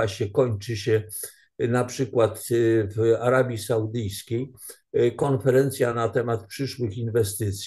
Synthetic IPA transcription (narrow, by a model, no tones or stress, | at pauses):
aɕɛkɔɲt͡ʂɘɕɛ | napʂɘkwat̪vaɾabʲjisawud̪ɘjskʲej | kɔnfɛɾɛnt̪sʲjanat̪ɛmat̪̚pʂɘʂwɘxinvɛst̪ɘt̪sʲ